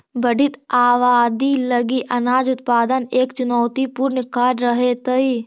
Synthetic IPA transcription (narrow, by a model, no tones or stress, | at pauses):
bəɖɪt̪aːʋaːd̪iləɡiʔɐnaːd͡ʒʊt̪paːd̪əneːkt͡ʃʊnɔːt̪ipuɾnkaːɾɾəɦet̪əi